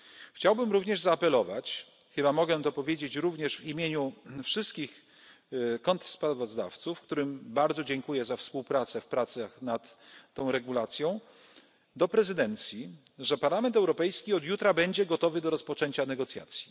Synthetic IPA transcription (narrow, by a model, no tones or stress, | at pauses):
xt͡ɕawbɘmɾuvɲɛʐzaːpɛlɔva̰t͡ɕ | xɘbamɔɡɛt̪ɔpɔvʲjed͡ʑet͡ɕɾuvɲɛʂvimʲjeɲufʂɘst̪kʲix | kɔnt̪spɾavɔzd̪a̰ft̪sufkt̪uɾɘmbaɾd̪zɔd͡ʑɛŋkujɛzafspuwpɾat̪sɛfpɾat̪saxnat̪ːɔ̃w̃ɾɛɡulat̪sʲjɔ̃w̃ | d̪ɔpɾɛzɘd̪ɛnt̪sʲji | ʐɛpaɾlamɛnt̪̬ɛwɾɔpɛjskʲiɔd̪jut̪ɾabɛɲd͡ʑɛɡɔt̪ɔvɘd̪ɔɾɔspɔt͡ʂɛɲt͡ɕanɛɡɔt̪sʲja̰t̪sʲji